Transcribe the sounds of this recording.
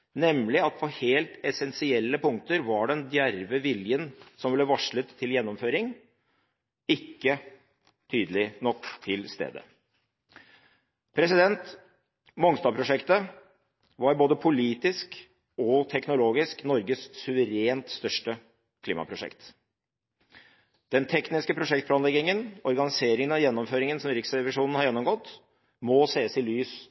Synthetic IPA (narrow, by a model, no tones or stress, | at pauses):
nɛmlɪɑt̪pʰɔheːlt̪ɛsɛnsɪɛlːəpʊŋk̚t̪əɾʋɑɖɛnd̪jæɾʋəʋɪljənsɔmʋɪləʋɑʂɭət̪ʰːɪljɛnːɔmføːɾɪŋ | ɪkːə | t̪ʰyːd̪əlɪnɔkt̪ʰːɪlst̪ḛːd̪ə̰ | pʰɾɛsɪd̪ɛnt̪ | mɔŋst̪ɑːpʰɾʊʂɛkt̪ə | ʋɑɾboːd̪əpʰʊliːt̪ɪsk | ɔt̪ʰɛknʊloːɡɪsknɔɾɡəssʉʋəɾeːnt̪st̪œʂʈə | kʰlḭːmɑ̰pʰɾʊʂɛ̰kt̪ | d̪̥ɛnt̪ʰɛknɪskəpʰɾʊʂɛk̚t̪̚plɑːnlɛɡɪŋənɔɾɡɑnɪseːɾɪŋənɑjɛnːɔmføːɾɪŋənsɔmɾɪksɛʋɪʂuːnn̩hɑɾjɛnːɔmɡɔt̪ː | mɔseːəsɪlyːs